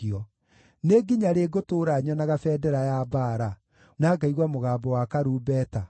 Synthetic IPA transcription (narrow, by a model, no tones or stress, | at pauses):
iɔ | neɡiɲaɾeɡotoːɾaɲɔnaɣafɛːdɛɾajabaːɾa | naːɡaiɣwamoɣaːbɔwakaɾuːbɛːta